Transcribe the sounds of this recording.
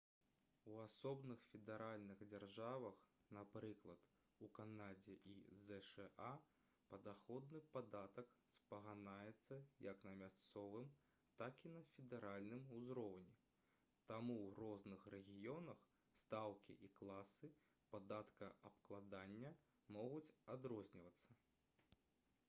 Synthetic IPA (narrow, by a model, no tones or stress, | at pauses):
uasɔbnɨxfʲɛd̪ɛɾalʲnɨɣd͡zʲarʐavɐx | napɾɨklˠɐt̪ | ukanad͡zʲɛʔḭzɛʂɛʔa | pɐd̪axɔd̪̚nɨpad̪at̪ɐkspɐɣanajɛt̪sːɐjɐknɐmʲast̪sɔvɨm | t̪akinɐfʲɛd̪ɛɾalʲnɨmuzɾɔwnʲɛ | t̪amuwrɔznɨxɾɛɣʲijɔnɐx | st̪awkʲḭʔiklˠasɨ | pad̪at̪kɐʔɐpklˠad̪anʲːɐ | mɔɣut͡sʲad̪ɾɔzʲnʲivɐt̪sːɐ